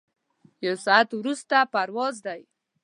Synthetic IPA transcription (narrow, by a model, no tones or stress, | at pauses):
jawsɔat̪wɾust̪apaɾwɑzd̪aj